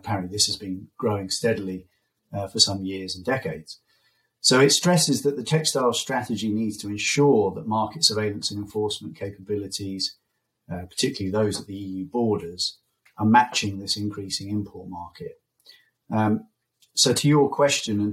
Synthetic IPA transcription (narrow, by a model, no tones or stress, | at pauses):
əpʰaɹə̃nʔliðɪshəzbĩnɡ̥ɹəʊɪ̃ŋstɛdəli | fəsʌ̃mjɪəzə̃ndɛkeɪdz̥ | soʊɪtstɹ̥ɛsɪzðəʔðətʰɛksd̥aɪlˠstɹ̥atɪd͡ʒiniːdz̥tʰəɪ̃nʃɔːðəʔmɑˑkɪtsəveɪlə̃nsə̃nɛ̃ɱfɔˑsmə̃nkʰeɪpʰəbɪlɪtʰiz̥ | pʰə̥tʰɪkjl̩ˠiðəʊzəʔðiiːjʉːbɔːɾəz̥ | əmat͡ʃɪ̃ŋðɪsɪ̃nkʰɹ̥iˑsɪ̃ŋɪ̃mpʰɔˑʔmɑˑkʰɪt̚ | soʊtʰəjəkʰw̥ɛst͡ʃə̃nə̃n